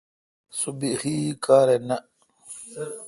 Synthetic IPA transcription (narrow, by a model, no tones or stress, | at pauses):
subihiːkaːɾena